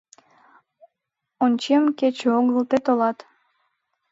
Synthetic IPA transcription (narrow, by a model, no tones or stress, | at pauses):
onʲt͡ɕemket͡ɕeoɣəlt̪et̪olɑt̪